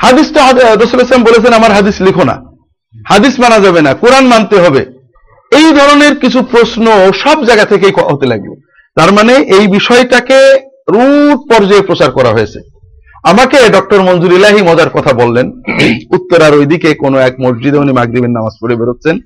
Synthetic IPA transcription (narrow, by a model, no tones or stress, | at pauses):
had̪isʈaɾosuleslambolet͡ɕʰenamaɾɦad̪islikʰona̰ | had̪ismanad͡ʑabenakuɾanmant̪eɦɔbe | ejd̪ʱɔɾoneɾkit͡ɕʰupɾosnooʃɔbd͡ʑaɡat̪ʰek̬ejkɦot̪elaɡbḛ | t̪aɾmaneʔejbiʃɔeʈake | ɾuʈ̚pɔɾd͡ʑaepɾot͡ɕaɾkɔɾaɦoet͡ɕʰe̥ | amakeɖɔk̚ʈoɾmond͡ʑuɾilaɦimɔd͡ʑaɾkɔt̪ʰabolːenut̪ːoɾaɾojd̪ikekonoɛk̚moɾd͡ʑid̪eunimaɡɾibennamaspoɽebeɾot̪̚t͡ɕʰen